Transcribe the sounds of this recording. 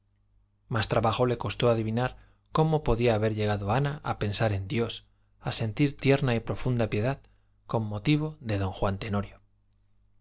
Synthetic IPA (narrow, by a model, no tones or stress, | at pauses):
mast̪ɾaβaxo̞le̞ko̞st̪o̞aðiβinaɾ | ko̞mo̞po̞ðiaːβe̞ɾʎe̞ɣ̞aðoanaʔape̞nsaɾe̞nd̪jo̞s | ase̞nt̪iɾt̪je̞ɾnaipɾo̞fund̪apje̞ðað | ko̞mːo̞t̪iβ̞o̞ðe̞ðo̞ŋxwant̪e̞no̞ɾjo